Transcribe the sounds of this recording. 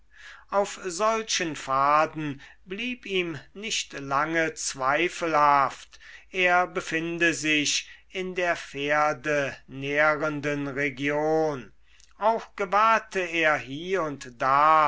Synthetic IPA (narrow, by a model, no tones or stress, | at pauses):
ʔaʊfzɔlʃənfaːdn̩ | bliːpiːmnɪʃtlaŋət͡sv̥aɪfəlhaftʔeːɐbəfɪndəzɪʃ | ɪndeːɐfeːɐdəneʁəndənʁeɡjoːn | ʔaʊxɡ̥əvaːɐtʰəeːɐɦiːʊntd̥aː